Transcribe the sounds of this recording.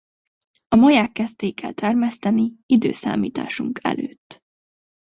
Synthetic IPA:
ɒmɒjaːkːɛst̪eːikʰːɛ̰lt̪ʰɛrmɛst̪ɛniid̪ø̰ːsa̰ːmḭːt̪a̰ːʃuŋkʰɛ̰løːt̪ː

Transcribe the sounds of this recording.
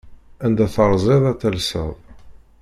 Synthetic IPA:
ænd̪æθəɾˤzˤeðˤæθælsə̰ðˤ

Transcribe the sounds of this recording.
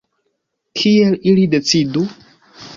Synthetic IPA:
kʰielilide̞t͡sidu

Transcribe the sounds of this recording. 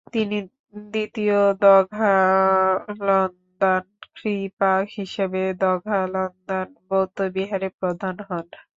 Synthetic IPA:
t̪ini | d̪it̪iod̪ɔɡʱa | lɔnd̪ankɾipakɦiʃebed̪ɔɡʱalɔnd̪anbowt̪obiɦaɾepɾod̪ʱanɦɔn

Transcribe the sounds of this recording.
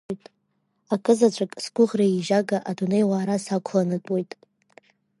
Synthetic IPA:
jtʼ | akʼɨzat͡ʃʷʰʼakʼsɡ̥ʷʊʁraiʒaɡaʔadunejwaːɾasakʷʰlanɨtʼwojtʼ

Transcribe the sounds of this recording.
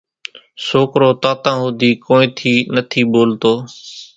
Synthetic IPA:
soːkɾoːt̪aːt̪ãːɦʊd̪iːkoːẽːt̪ʰiːnət̪ʰiːɓoːlt̪oː

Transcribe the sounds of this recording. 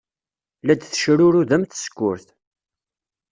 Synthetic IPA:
læd̪θʃɾʊɾuðæmθə̥skʷːʊ̰ɾθ

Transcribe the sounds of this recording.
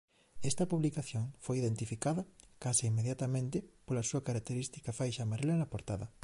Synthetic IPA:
est̪ɐpuβlikaθjoŋfojiðent̪ifikaðɐkaseimːeðjat̪amẽnt̪ɪpolasuɐkaɾak̚t̪eɾist̪i̥kafajʃamaɾelanɐpoɾt̪aðɐ

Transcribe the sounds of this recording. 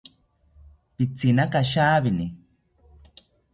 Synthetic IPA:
pit͡sinakaʃaːβini

